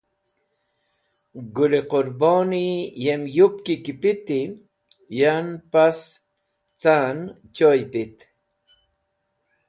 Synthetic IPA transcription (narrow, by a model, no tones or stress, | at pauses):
ɡʊliqʊɾboːnijemjʊp̚kikipɪt̪i | janpas | t͡san | t͡ʃojpɪt̪